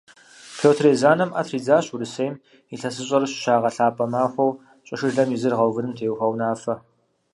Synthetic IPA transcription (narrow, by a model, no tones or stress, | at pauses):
pʰoːtʰreːzaːnɐmʔɐ̰tʰriːd͡zaːɕuɾɨseːjm | iɬɐsɨɕʼɐrɨɕɕaːʁɐɬaːpʼɐmaːxʷɐw | ɕʼɐʃɨɮɐmizɨrʁɐwvɨɾɨmtʰeːwxɐwnaːfɐ